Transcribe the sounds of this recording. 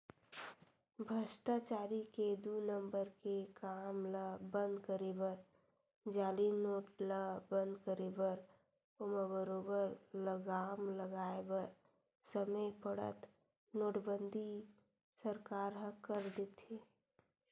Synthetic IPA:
bʱəʃʈat͡ʃaːɾiked̪unə̃mbəɾkekaːmləbə̃nd̪kəɾebəɾ | d͡ʒaːlinoːʈləbə̃nd̪kəɾebəɾ | oməbəɾoːbəɾləɡaːmləɡaːebəɾ | səməpəɽə̰t̪ | noːʈbənd̪ʱi | səɾkaːɾɦəkəɾd̪et̪eː

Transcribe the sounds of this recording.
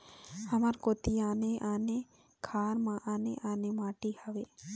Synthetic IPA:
hɐmaɾkoːt̪iaːneʔaːne | kʰaːɾmãʔaːnḛʔaːnemaːʈihaʋe

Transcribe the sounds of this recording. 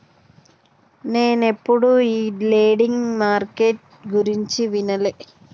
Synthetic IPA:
neːnepːoɽuiːleːɽiŋmaːrkeʈ̚ | ɡuɾiɲt͡ɕiʋinɐle

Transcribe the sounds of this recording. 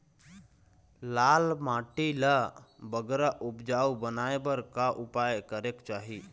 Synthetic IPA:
laːlmaːʈilabəɡɾaʔʊpd͡ʒaːubənaːebəɾkaʔʊpajkəɾekt͡ʃaːɦi

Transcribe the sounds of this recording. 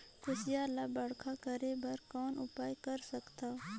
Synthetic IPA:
kʊsijaːlabɐɽkʰakɐɾebɐɾkɔːnʊpaːjkɐɾsɐkt̪aː

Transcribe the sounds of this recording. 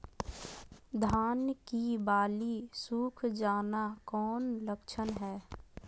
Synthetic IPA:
d̪ʱaːnkibaːlisuːkʰd͡ʒaːnakɔːnləkt͡ʃʰənɦɛː

